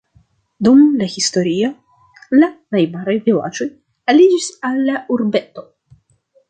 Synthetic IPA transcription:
dumlahisto̞ɾio | lanajmaɾajvila̰d͡ʒo̞j | alid͡ʒisalːauɾbe̞to̞

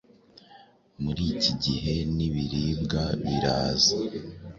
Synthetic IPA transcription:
muɾiːciɟiɦe̞niβiɾiːbɡaβiɾaːza

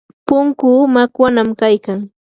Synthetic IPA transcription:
pʊŋkʊːmakwanamkajkaŋ

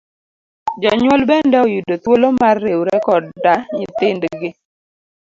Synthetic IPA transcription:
d͡ʒɔɲwɔlbɛndɛɔjudot̪wolomarːewɾɛkɔddaɲit̪ɪndɡɪ

